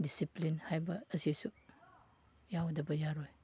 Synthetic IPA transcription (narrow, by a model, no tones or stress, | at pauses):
disiplinhajbɐːsisu | jawdɐbɐjaɾoj